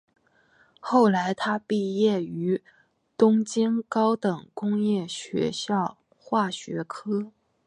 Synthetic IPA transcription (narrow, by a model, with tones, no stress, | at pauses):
xo˥˩ʊla˧˥ɪt̪ʰa˥pi˥˧jɛ˥˩y˧˥ | t̪ʊ˥ŋt͡ɕi˥ŋkɑ˥ʊt̪ɤ˨˩ŋkʊ˥ŋjɛ˥˩ɕɥɛ̰˧˥ɕjɑ˥˧ʊ | xwa˥˩ɕɥɛ̰˧˥kʰɤ˥